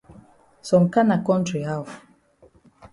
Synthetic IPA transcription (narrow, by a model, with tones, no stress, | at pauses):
sɔ˨ŋ̩˨ka˦na˨kɔ̃˦n˦tɾi˨ɦa˦˨f